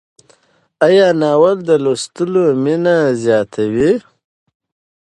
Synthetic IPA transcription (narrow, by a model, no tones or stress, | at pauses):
ajɑːnɑːwald̪əlost̪ulominazjɑːt̪ʰawi